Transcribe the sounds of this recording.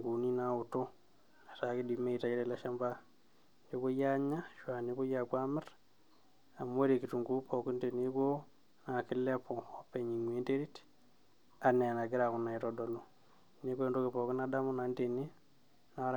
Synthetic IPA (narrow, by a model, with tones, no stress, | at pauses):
ŋɡu˨ni˦na˦u˨to˦ | na˨ta˨ki˦di˨me˦i˨ta˨i˦ɾe˦la˦ʃa˦mba˦ | ɲd͡ʒo˦ko˦ja˦ɲa˦ʃwa˨ni˦ko˦ja˨kwa˦mɪ˦r | a˨m˦e˦ɾe˨ki˨tu˨ŋɡu˦pʰɔ˨ki˦nte˨ni˦ko˦ | na˨kɪ˦lɛ˦pɔ˨ɔ˦pe˨ɲi˨ŋwe˦nde˦ɾi˦t | a˨nɛ˨na˨ɡɪ˦ɾa˨ku˨na˨i˨tɔ˨dɔ˨lo˦ | ne˦ko˦e˨ndo˦kɪ˨pɔ˨kɪ˦nada˦mu˦na˨nde˨ni˦ | na˨˦ɾ